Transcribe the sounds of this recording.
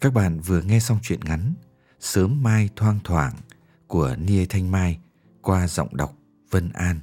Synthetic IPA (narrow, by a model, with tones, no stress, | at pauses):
kaː˦˥k̚ɓa̰ː˧˨nvɨ˨˩əŋɛ˧sa˧wŋ͡mt͡ɕwḭ˧˨ənŋa˨˦n | səː˨˦mːaː˧jt̪ʰwaː˧ŋt̪ʰwaː˧˩ŋ | ku˧˩əni˧ə˧t̪ʰa˧jŋmaː˧j | kwaː˧zə̰˧˨wŋ͡mɗa˨˩wk͡p̚ | v̥ə˧nʔaː˧n